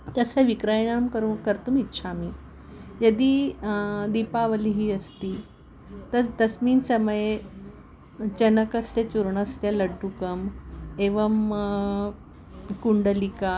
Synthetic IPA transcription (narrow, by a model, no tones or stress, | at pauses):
t̪əseʋikɾajɳamkəɾukəɾt̪uːmitːɕʰamiː | jəd̪iː | d̪ipaʋəliɦiːəst̪iː | t̪əɾd̪ɐsmiːnsəməje | t͡ɕənəkəst̪et͡ɕuɾɳəst̪jeləɖukəmeʋəm | kuɳɖəlika